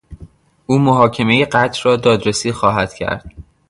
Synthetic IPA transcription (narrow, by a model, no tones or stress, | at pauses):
uːmoɦɒːcʰe̞me̞jeɢæt̪ʰrɒːd̪ɒːd̪ɾesiːxɒːɦæd̪̥cʰæ̰ɾd̪̥